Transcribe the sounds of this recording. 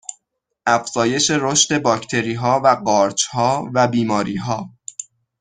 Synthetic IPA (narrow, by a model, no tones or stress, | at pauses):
ʔæfz̥ɒːje̞ʃe̞ɾoʃt̪e̞bɒːcʰt̪ʰe̞ɾiːɦɒːvæɢɒːɾt͡ʃhɒːvæbiːmɒːɾiːɦɒː